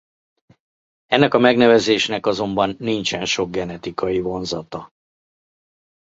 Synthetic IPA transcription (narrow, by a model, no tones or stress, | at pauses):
ɛnːɛkɒmɛɡnɛvɛzeːʃnɛkɒzo̞mbɒnːint͡ʃɛnʃo̞ɡ̚ɡɛnɛt̪ikɒjivo̞nzɒt̪ɒ